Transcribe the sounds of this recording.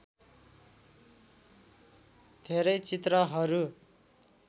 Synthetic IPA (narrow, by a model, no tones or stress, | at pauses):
d̪ʱeɾʌjt͡sit̪rʌɦʌɾu